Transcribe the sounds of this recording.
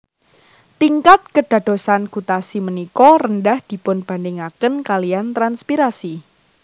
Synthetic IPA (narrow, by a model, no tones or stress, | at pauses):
t̪iŋkat̪̚kəɖ̥a̤d̥o̤sankut̪asimənikɔrəndahd̪̥i̤pʊnb̥a̤ndɪŋakənkaliant̪ɾanspiɾasi